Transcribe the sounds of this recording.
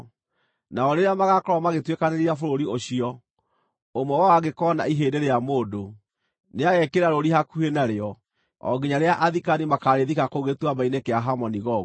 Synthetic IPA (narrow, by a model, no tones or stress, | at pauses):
naɔɾeɾeamaɣakɔɾɔmaɣetwekaneɾeafoɾoɾioɕiɔ | omɔwawaɣekɔːna̰iɦeːdeɾejamoːdo | neaɣɛkeɾaɾoɾiɦakuhenaɾeɔ | ɔ̰ɡiɲaɾeaʔaðikanimakaɾeðikakoɣetwabainekeaɦamɔniɣɔ